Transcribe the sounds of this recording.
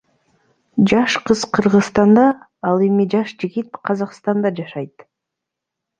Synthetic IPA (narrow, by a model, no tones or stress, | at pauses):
d͡ʒɑʃqɯz̥qʰɯɾʁɯzst̪ɑnd̪ɑ | ɑlˠemid͡ʒɑʃd͡ʒiɡit̪̚qʰɑzɑqst̪ɑnd̪ɑd͡ʒɑʃɑjt̪